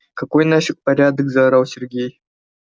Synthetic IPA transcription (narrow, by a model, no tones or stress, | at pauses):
kɐkojnaʂɨk̪̚pɐɾʲad̪əkzɐɾawˠsʲɪrɡʲej